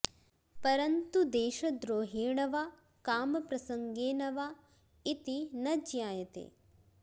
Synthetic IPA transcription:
pɐɾɐnt̪ud̪eːʃɐd̪ɾoːɦeːɳɐʋa | kaːmɐpɾɐsɐŋɡeːnɐʋa | it̪inɐd͡ʒjaːjɐt̪ḛː

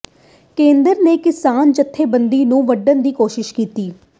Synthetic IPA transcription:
kẽːnd̪əɾneːkɪsaːnd͡ʒət̪ʰːeːbənd̪iːnũːʋəɖənd̪iːkoːʃɪʃkiːt̪iː

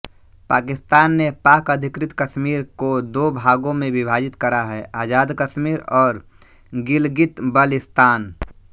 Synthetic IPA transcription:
paːkɪst̪aːnːepaːkəd̪ʱɪkɾɪt̪kəʃmiːɾkod̪oːbʱaːɡõmẽʋɪbʱaːd͡ʒɪt̪kəɾaɦɛːʔaːd͡ʒaːd̪kəʃmiːɾɔːɾ | ɡɪlɡɪt̪bəlɪst̪aːn

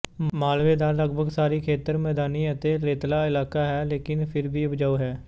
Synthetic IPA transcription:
maːlʋeːd̪aːləɡbʱəɡsaːɾiːkʰeːt̪əɾmɛːd̪aːniːət̪eːɾeːt̪laːɪlaːkaːɦɛːleːkɪnpʰɪɾbiːʊbd͡ʒaːuːɦɛː

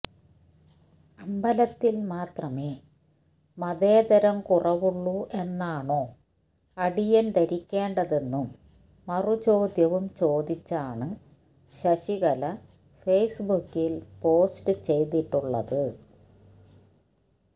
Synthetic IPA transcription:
ɐmbɐlɐt̪ːilmaːt̪rɐmeː | mɐðeːd̪ɐɾɐmkurɐʋuɭːue̞nːaːɳo̞ː | ɐɽijɐnt̪ɐɾikʲːe̞ːɳɖɐðe̞nːumː | ɐrut͡ɕo̞ːd̪jɐʋumt͡ɕo̞ːd̪it͡ɕːaːɳɨ | ɕɐɕiɣɐlɐ | feːsbukːilpo̞ːsʈɨt͡ɕe̞jt̪iʈːuɭːɐ̰ðɨ

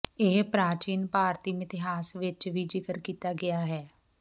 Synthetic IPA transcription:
eːpɾaːt͡ʃiːnpaːɾt̪iːmɪt̪ɪɦaːsʋɪt͡ʃʋiːd͡ʒɪkəɾkiːt̪aːɡɪjaːɦɛː

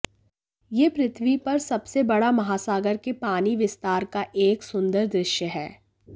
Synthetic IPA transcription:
jeːpɾɪt̪ʰʋipɐɾsɐbsebɐɽamɐɦaːsaːɡəɾkepaːniʋɪst̪aːɾkaʔeːksʊ̃nd̪əɾd̪ɾɪʃjəɦɛː

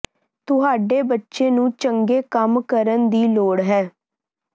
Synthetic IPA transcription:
t̪ʊɦaːɖeːbətːʃeːnũːt͡ʃəŋɡeːkəmkəɾənd̪iːloːɽɦɛː

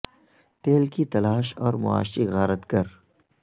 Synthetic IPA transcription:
t̪eːlkit̪ɐlaːʃɔːɾmʊ̰a̰ːʃiɣaːɾət̪kɐɾ

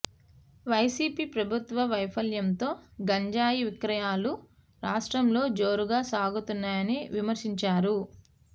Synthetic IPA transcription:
ʋɐjsiːpiːpɾɐbʱut̪ʋɐʋɐjpʰɐljɐnt̪o̞ːɡɐɲd͡ʒaːjiʋikɾɐjaːlu | ɾaːʂʈɾɐmlo̞ːd͡ʒo̞ːɾuɡaːsaːɡut̪unːaːjɐniʋimɐɾʃiɲt͡ʃaːɾu

